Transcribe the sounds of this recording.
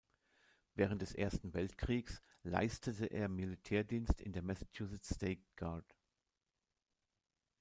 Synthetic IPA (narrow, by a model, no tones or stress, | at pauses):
vɛːʁ̞əntd̥ɛsʔeːɐstn̩vɛltkʁ̥iːks | la̰ɪstʰətəʔḛːɐmilitʰɛːɐdiːnstɪ̰ndeːɐmɛsḁtʰjuːsɪteɪtɡ̥aɐd